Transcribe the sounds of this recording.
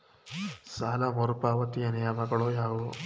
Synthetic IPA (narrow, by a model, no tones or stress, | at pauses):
saːlɐmɔɾupaːʋɐt̪ijɐnɐjɐmɐɡɐɭojaːʋu